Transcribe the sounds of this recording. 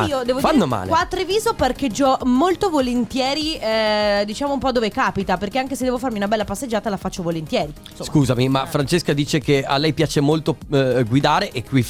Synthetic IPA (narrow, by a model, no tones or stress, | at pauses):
iːod̪ɛːvofanːoma̰ːlḛwat̪ːɾeviːzoperk̟ed͡ʒːɔmolt̪ovolent̪jɛːɾi | d̪it͡ʃaːmoumpɔd̪oːvekaːpit̪aperkeaŋkesed̪ɛːvofaɾrmiunabɛlːapasːed͡ʒːaːt̪alafat͡ʃːovolent̪jɛːɾi | soskuːzamimafɾant͡ʃeskad̪iːt͡ʃekea̰lːɛjpjaːt͡ʃemolt̪oɡwid̪aːɾeʔekːwi